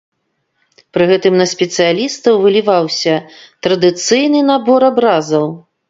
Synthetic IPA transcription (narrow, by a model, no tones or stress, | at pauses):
pɾɨɣɛt̪ɨmnɐsʲpʲɛt̪sɨjalʲist̪ɐwvɨlʲivawsʲɐt̪ɾɐd̪ɨt̪sɨjnɨnabɔɾabɾazɐw